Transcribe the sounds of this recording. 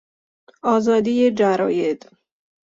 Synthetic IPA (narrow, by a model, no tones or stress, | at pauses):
ɒːzɒːd̪ijed͡ʒæɾɒ̰ːjed̪̥